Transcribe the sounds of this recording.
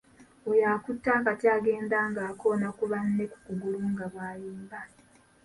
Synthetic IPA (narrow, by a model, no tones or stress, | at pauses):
ojaːkutːaːkatjaːɡe̞ːndaːŋɡaːko̞nakuβanːe̞ku̥kuɡuluŋɡaβaːjiːmba